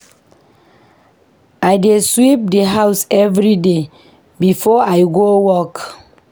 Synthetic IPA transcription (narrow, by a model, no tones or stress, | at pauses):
ajdeswip̚deɦawsɛvɹide | bifɔajɡowɔk